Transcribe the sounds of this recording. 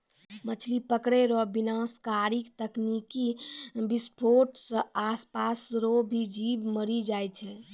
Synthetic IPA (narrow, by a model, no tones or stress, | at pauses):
mət͡ʃʰlipəkɽeɾɔbinaskaɾikt̪əknikibispʰoɾʈsə̃aːspasɾobʱid͡ʒibməɾid͡ʒajt͡ʃʰɛ